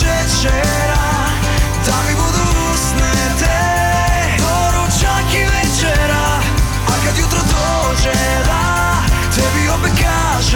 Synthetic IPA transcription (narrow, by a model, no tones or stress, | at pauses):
ɛt͡ʃɛ | ɾa | d̪amibud̪u | snɛ | t̪ɛ | ɔ | ɾut͡ʃakivɛt͡ʃɛɾa | akad̪jut̪ɾɔd̪ɔ | ʒɛ | d̪a | t̪ɛbiɔpɛka | ʒ